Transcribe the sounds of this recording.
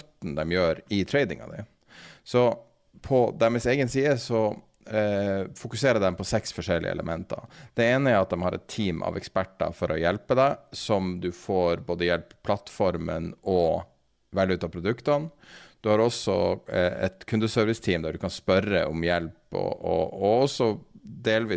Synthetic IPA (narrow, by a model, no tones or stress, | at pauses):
t̪ːn̩d̪ɛmjøːɾɪt̪ʰɾɛɪd̪ɪŋɑ̰d̪ɪ̰ | sɔ | pʰɔd̪æmɪseːɡənsiːəsɔ | fʊkʉseːɾəd̪ɛmpʰɔsɛksfɔʂɛlɪ̰ə̰ɛ̰lə̰mɛnt̪ɑ̰d̪̥ɛeːnəæɾɑt̪̚d̪ɛmhɑɾɛ̰t̪ʰːiːmʔɑ̰ʋɛkspæʈːɑ̰fɔɾʔɔjɛlpəd̪æɪsɔmd̪ʉfoːɾboːd̪əjɛlppʰːlɑt̪ːfɔɾmə̰nɔ | ʋɛlːəʉːt̪ɑːpʰɾʊd̪ʉkt̪ɑnd̪̥ʉhɑɾɔsːɔɛ̰t̪kʰʉnd̪əsœːɾʋɪst̪ʰiːmd̪æɖʉkɑnspœɾə̰ʔʊmjɛlpɔ̰ɔːɔsːɔd̪eːlʋiː